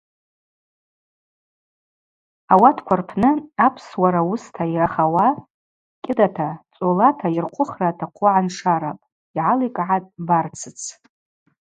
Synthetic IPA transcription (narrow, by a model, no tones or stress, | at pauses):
awatʰkʷʰarpʰnɨapʰswaɾawustʰajiraχawa | kʲʼɪdatʰat͡sʼolatʰairqʷʰʼʊχratʰaqʷʰʊʕanʂaɾapʼ | iʕalijkʼʕatʼbart͡sʰɨt͡sʰ